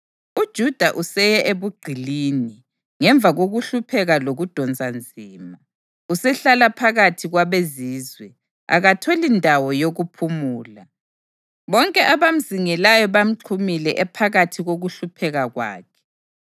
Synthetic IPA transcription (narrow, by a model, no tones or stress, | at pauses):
ud̥ʒ̥ʱud̥ʱaʔusɛjɛʔeβuɡ͡ǀʱiliːni | ŋɛɱb̪vʱaɣoɣuɬupʰɛɣaloɣud̥ʱɔnd͡zʱand͡zʱiːma | usɛɬalapʰaɣatʰiɣwaβeziːzwɛ | a̰ɣatʰɔlindʱawɔjoɣupʰumuːla | βɔŋkʼɛʔaβam̩ziŋɛlajɔβam̩ǁʰumilɛʔɛpʰaɣatʰiɣoɣuɬupʰɛɣaɣwa̰ːkʰɛ̥